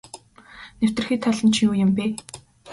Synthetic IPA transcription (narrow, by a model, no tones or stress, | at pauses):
new̥t̪ɘ̆rxiːt̪ʰɔɮə̆nt͡ɕʰiŋuːjʊ̆mpiː